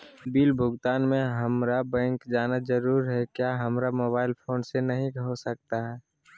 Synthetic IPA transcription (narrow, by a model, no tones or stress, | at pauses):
biːlbʱʊɡt̪aːnmẽɦɐmɾabɛ̃ːŋkd͡ʒaːnad͡ʒəɾuːɾɦɛkjaːɦɐmɾamoːbaːɪlpʰoːnsenəɦĩɦosək̚t̪aɦɛː